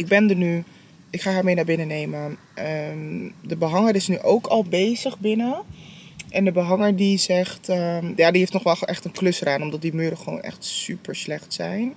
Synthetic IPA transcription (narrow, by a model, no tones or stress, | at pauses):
ɪɡ̚bɛndəny | ɪkχaːɦaːɹmejnaːɹbɪnənejmə | əmdəbəɦɑŋəɾɪsnyʔowkʰɑlˠbejzəχbɪnə | ʔɛndəbəɦɑŋəɹdizɛχtəjaːdiɦeftnɔχʋɛlˠχʔɛχtənklɵsraːnɔmdɑt̚dimyːɾəχəʋo̰ːwnɛ̰χtsypəɹslɛχtsɛjn